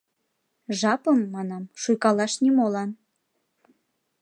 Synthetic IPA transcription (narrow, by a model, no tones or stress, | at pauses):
ʒɑpəmːɑnɑmʃujkɑlɑʃnʲimolɑn